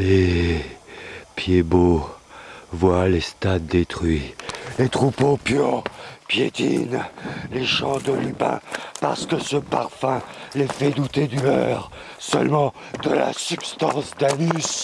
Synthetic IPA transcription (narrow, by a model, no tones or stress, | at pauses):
le | pjebo | vwalest̪ad̪ːet̪χɥilet̪χupopjøpjet̪ḭnleʃɑ̃d̪əlybɛ̰̃pa̰ʁsə̥kəsəpaʁfɛ̃lefɛd̪ut̪ed̪ylœʁ | sə̰lmɑ̃ | d̪əla̰sypst̪ɑ̃sd̪anys